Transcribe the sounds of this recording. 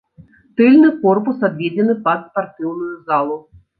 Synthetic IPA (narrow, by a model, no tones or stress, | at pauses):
t̪ɨlʲnɨkɔrpusab̪vʲed͡zʲɛnɨpɐspart̪ɨwnujuzalˠu